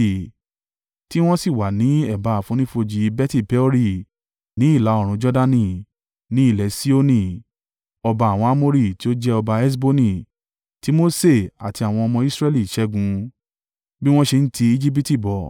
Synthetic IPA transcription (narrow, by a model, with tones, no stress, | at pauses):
ti˦w̃ɔ̃˦si˦˨wa˨nĩ˨˦ɛ˦˨ba˨˦a˨fũ˨˦nĩ˦fo˧d͡ʒi˧bɛ˦ti˦˨pɛ˨˦ɔ˦ɾi˦˨ | nĩ˨˦i˦˨la˨˦ɔ˦˨ɾ̃ũ˧d͡ʒɔ˦da˧nĩ˧˨ | nĩ˨˦i˦˨lɛ˨˦si˦o˦nĩ˦˧ | ɔ˧ba˧˦a˨w̃ɔ̃˧a˦mo˧ɾi˦˨ti˦o˦d͡ʒɛ˦ɔ˧ba˧ɛ˦s̬bo˦nĩ˧˨ | ti˨˦mo˦se˦˨a˨ti˧a˨w̃ɔ̃˧ɔ˧mɔ̃˧i˦sɾɛ˦li˦˨i˨ʃɛ˦ɡũ˧ | bi˦w̃ɔ̃˦ʃe˧n̩˦tʰi˧i˧d͡ʒi˦p̬i˦ti˦˨bɔ˨